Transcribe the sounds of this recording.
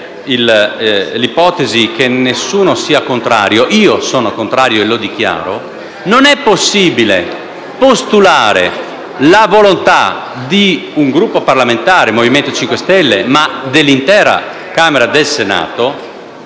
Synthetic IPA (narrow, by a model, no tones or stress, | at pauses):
il | lipɔːt̪ezikenːesːuːnosiːakont̪ɾa̰ːɾjoʔiːosɔːnokont̪ɾaːɾjoelod̪ik̟ja̰ːɾo | nonɛpːosːiːbilḛ | post̪ulaːɾḛ | lavolont̪a̰ | d̪iuŋɡɾupːoparlament̪aːɾemoviment̪ot͡ʃiŋkwest̪ɛlːemad̪elːint̪ɛːɾa̰ | kaːmeɾad̪elsena̰ːt̪o